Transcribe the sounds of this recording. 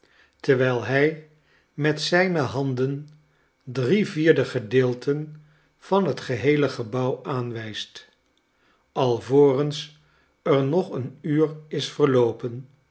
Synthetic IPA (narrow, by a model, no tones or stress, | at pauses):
təɹʋɛjlˠɦɛj | mɛtsɛjnəɦɑndən | driviːɹdəχədɪːlˠtʰən | v̥ɑnɦətχəɦejləχəbɑwʔaːnʋɛjst | ʔɑlˠvoːrəns | əɹnɔχənyːrɪsfəɹlowpən